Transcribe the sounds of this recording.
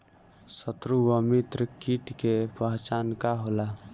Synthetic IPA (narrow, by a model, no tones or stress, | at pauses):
sət̪ɾuwəmit̪ɾəkiʈkepaɦt͡ʃankaɦola